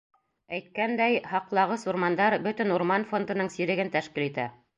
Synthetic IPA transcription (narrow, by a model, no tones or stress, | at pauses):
æjt̪̚kænd̪æjhɑqlˠɑʁɤsuɾmɑnd̪ɑɾbɵt̪ɘ̆nuɾmɑnfo̞nd̪ɤ̆nɤɴsiɾɘ̆ɡɘnt̪æʃkilit̪æ̰